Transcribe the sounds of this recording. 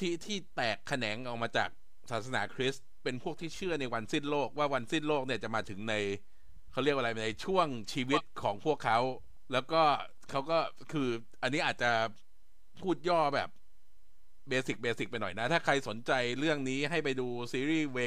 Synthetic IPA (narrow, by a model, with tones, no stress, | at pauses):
t̪ʰi˦˥t̪ʰiː˥˩t̪ɛː˨˩kʰːa˧nɛː˩˦ŋʔɔ˨˩wmaː˧t͡ɕa̰ː˨˩k̚ | saː˨˦˩t̪̚sa˧na̰ː˩˦kʰɾi˦˥s | pe˧npʰu˥˩ək̚t̪ʰiː˥˩t͡ɕʰɯ˥˩əna˧jwa˧nsiː˥˩nloː˥˩k̚waː˥˩wa˧nsi˥˩nloː˥˩k̚ni˥˩˨t͡ɕa˨˩maː˧t̪ʰɯ˩˦ŋna˧j | kʰa˦˥wɾi˥˩ək̚ʔa˧ɾa˧jna˧jt͡ɕʰu˥˩əŋt͡ɕʰiː˧wi˦˥t̪̚kʰɔː˩˦ŋpʰu˥˩əkʰːa˦˥w | lɛː˦˥wkɔː˥˩ | kʰa˦˥wkɔː˥˩ | kʰɯː˧ | ʔa˧nːiː˦˥ʔaː˨˩t̪̚t͡ɕa˩ | pʰuː˥˩t̪̚jɔː˥˩bɛ̰ː˨˩p̚ | beː˧si˨˩k̚beː˧si˨˩k̚pa˧jnɔ˨˩jna˦˥t̪ʰaː˥˩kʰɾa˧jso˩˦nt͡ɕa˧jɾɯ˥˩əŋniː˦˥ɦa˥˩jpa˧jduː˧siː˧ɾiː˥˩weː˦˥